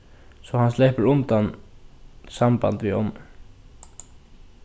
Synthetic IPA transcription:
sɔhanslɛːpəɾʊnt̪an | sampa̰nt̪ʋiɔ̰m

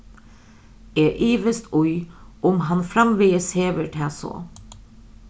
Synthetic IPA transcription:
eːʔiːʋəst̪ʰʊʏʔʊmɦɑnfɾɑmʋiːəsheːʋəɾʈʰæːso̰

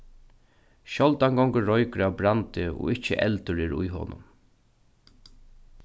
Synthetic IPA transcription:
ʃɔlt̪aŋɡɔŋkəɹɔjkɾabɾant̪ɪɔ̰ːɪht͡ʃːə̰ʔɛ̰lt̪ʊɾɪɾʊ̰jɦo̰ːnʔʊ̰m

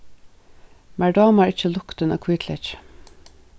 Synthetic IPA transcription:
mæɹɖɑːmɑɹɪc͡çəlʊkt̪əno̰ːkʰwiːt̪ʰlɛç

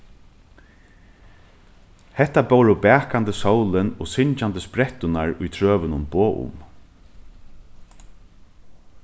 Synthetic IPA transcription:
hɛt̪abowɾʊbæːkant̪əsowlɪnɔsɪɲt͡ʃant̪əspɾɛt̪ʊnaɹʊjt̪ʰɾøːʋɪnʊnboːʔʊ̰m

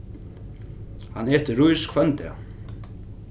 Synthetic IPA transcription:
hanɛːht̪ɪrujskʰvœnt̪ɪa̰

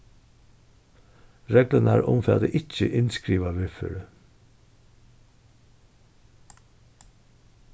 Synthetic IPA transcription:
ɾeːɡlənəæ̰ːɾʊ̰mfɑ̰ːd̪eʔɪc͡çəʔɪnskɾiːʋɑʋɪfə̰ɾə

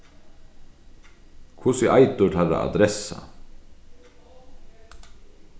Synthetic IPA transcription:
kʰʊsɪʔajt̪ʊlaɾa̰a̰d̪ɾɛsa̰

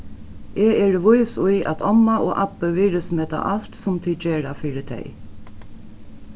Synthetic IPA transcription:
eːɛːɹəʋʊjsʊjʔæ̰t̪ɔmːaʔoːʔapːəʋiːɾəsmeːt̪a̰ʔal̥t̪sʊmt̪ʰiːd̪̚d͡ʒeːɹafiːɾɪt̪ʰɛ̰j

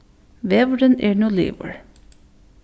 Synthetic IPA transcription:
ʋeːʋəɖənḛːɹnuːlḭːʋə̰ɹ

